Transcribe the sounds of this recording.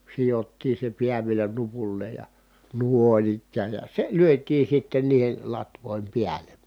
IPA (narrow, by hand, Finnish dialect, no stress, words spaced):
sijotːiː se piæ ʋielæ nupulːeːj jɑ nuˑon ikːæːj jɑ se lyøtˑiːn̞ sitːen niːhel lɑtʋoˑim piælen